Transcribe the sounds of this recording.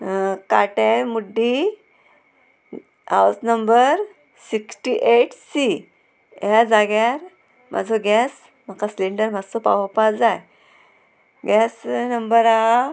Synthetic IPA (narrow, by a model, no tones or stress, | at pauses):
kaʈɛ̃muɖːi | a̰wsnəmbəɾ | siksʈiʔeʈsi | jad͡zaɡjaɾ | mʔa̰d͡zʱoɡɛs | m̤akasleɳɖəɾm̤ad͡zt͡sopa̰wəpasd͡zaj | ɡɛsnəmbəɾa